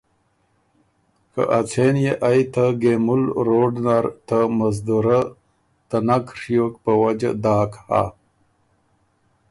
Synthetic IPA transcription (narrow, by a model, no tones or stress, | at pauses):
kə̰ʔat͡sʰenjeʔajt̪aɡemulɾoɖnaɾt̪amazd̪uɾa | t̪anakʂijok̚pəwad͡ʒa̰d̪aːkha̰